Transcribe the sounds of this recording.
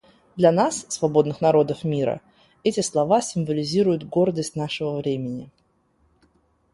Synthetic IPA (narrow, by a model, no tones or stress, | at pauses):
d̪lʲɐnassːvɐbo̞d̪nɨxnɐɾo̞d̪əfmʲiɾə̰ | ɛtʲɪslˠɐvasʲɪmvəlʲɪzʲiɾʊjʊt̪ɡo̞rd̪əsʲtʲnaʂɨvəvɾʲemʲɪnʲɪ